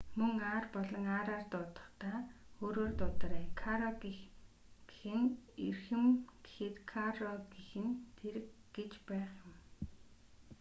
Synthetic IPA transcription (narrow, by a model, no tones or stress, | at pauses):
mɵŋaːrpɔɮɞ̆ŋaːɾaːrt̪ʊt̪ə̥̆χt̪aːoːɾoːrt̪ʊt̪̆ræːkʰaɾɔɡi | ɡ̥exɘ̆nirxɘ̆mɡe̥xɘ̆t̪kʰarɔɡixɘ̆nt̪ʰeɾɘ̆kɡet͡ɕpæːχjʊm